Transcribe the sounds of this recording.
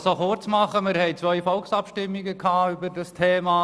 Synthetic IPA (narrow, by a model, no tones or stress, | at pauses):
soχʊɾt͡smɑχəmɪɾhɛɪt͡sʋœʏfɔlksɑpʃtɪmːiɡəkʰɑːybədɑstʰeːmɑː